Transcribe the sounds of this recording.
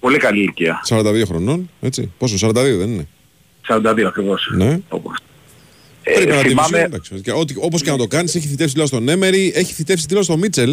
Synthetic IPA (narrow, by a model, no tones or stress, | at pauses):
po̞likɐliːɾciɐ̰sɐɾɐnd̪ɐðio̞xɾo̞no̞ne̞t͡sḭposos̬ɐɾɐnd̪ɐðio̞ðenine | sɐɾɐnd̪ɐðioɐkɾivo̞sne̞o̰pos | ɾiɐɐtθimɐmed̪ɐksot̪ikɐo̞t̪iopo̞scenɐt̪o̞kɐnise̞çiθit̪esit̪ilost̪o̞ne̞me̞ɾie̞çi̥θit̪e̞fsit̪ilost̪o̞mit͡se̞l